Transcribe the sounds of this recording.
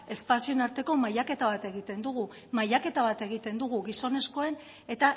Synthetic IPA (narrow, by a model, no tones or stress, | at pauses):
e̞spasionaɾt̪e̞ko̞majake̞t̪aβ̞at̪e̞ɣ̞it̪e̞nd̪uɣ̞u | majake̞t̪aβat̪e̞ɣ̞it̪e̞nd̪uɣuɣiso̞ne̞sko̞e̞n | e̞t̪a